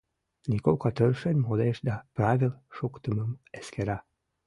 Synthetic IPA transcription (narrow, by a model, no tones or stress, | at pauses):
nʲikokɑt̪ərʃenʲmod̪eʃd̪ɑprɑvʲilʃokt̪əməmeskeɾɑ